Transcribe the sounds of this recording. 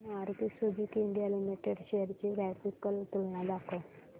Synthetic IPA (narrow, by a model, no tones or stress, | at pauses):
aɾk̪isubikiɳɖijalimiʈeɽɕejəɾt͡ɕiɡɾɛfikːəlt̪ulɳãd̪akʰo